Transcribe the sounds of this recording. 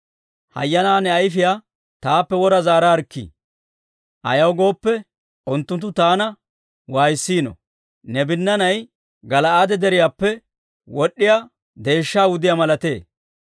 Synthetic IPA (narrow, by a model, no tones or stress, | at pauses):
hɐ̰jːɐnaːnɛɐjfɪjaː | t̪aːpːɛwɔɾɐzaːɾaɐɾkːḭ | ʔɐ̰jɐwɡo̞ːpːɛ | ʔʊnt̪ːʊnt̪ːʊt̪aːnɐ | waːjɪsːiːnɔ̰ | nɛbɪnːɐnɐj | ɡɐlɐaːd̪ɛd̪ɛɾɪjaːpːɛ | wɔɗːɪja | d̪e̞ːʃːaːwʊd̪ɪjamɐlɐt̪e̞ː